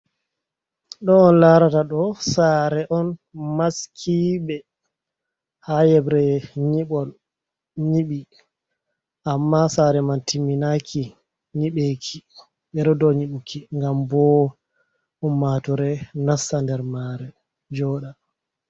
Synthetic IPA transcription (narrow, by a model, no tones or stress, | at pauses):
ɗɔːnlaɾataɗɔsaɾɛʔɔnmaskʰiɓɛ | hajɛbɾɛɲiɓɔl | ɲiɓi | ʔamːasaɾɛmantimːinakʰi | ɲiɓekʰi | ɓɛɗɔdɔɲiɓukʰiŋɡambɔ | unːatɔɾɛnasandɛɾmaɾɛ | d͡ʒɔːɗa